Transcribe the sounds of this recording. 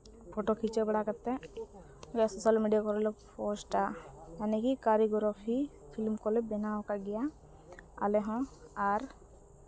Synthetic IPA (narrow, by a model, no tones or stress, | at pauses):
pʰɔʈokʰit͡ʃɛbɛɽakat̪ːɛ | ɡjasɔsalmiɖijakɔɾɔlɔpʰɔsʈaanɛkikaɾiɡɔɾɔxʰi | pʰilmkɔlɛbɛnaɔkaɡɛja | a̰lɛɦɔ̃aɾ